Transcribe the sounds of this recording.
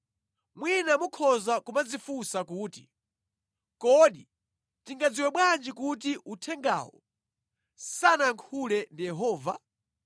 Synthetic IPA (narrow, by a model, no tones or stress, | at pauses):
mwinamukʰɔzakumad͡zifusakuːti | kɔɗi | tiŋɡad͡ziwɛɓwand͡ʒikut̬iʔutʰɛŋɡa̰ːwɔ̰ | sanaŋkʰulɛndijɛɦɔːva